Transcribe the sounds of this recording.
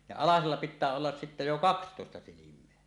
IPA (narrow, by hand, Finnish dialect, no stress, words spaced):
jɑ ɑlɑselːɑ pitˑæː olːɑs sitːæ jo kɑkstoˑestɑ silimˑeæ